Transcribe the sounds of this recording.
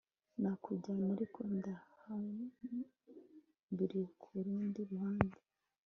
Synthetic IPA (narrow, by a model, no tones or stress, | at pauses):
nakʰuɟaniɾikondaham | biɾikʰuɾuːndiɾuhaːnda